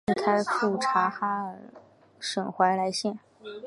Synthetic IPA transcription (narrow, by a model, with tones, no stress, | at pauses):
ŋk̪ʰa˥ɪfʰu˥˩ʈ͡ʂʰa˧˥xa˥ | ʂə˨˩ŋxwa˧˥ɪla˧˥ɪɕjɛ˥˩n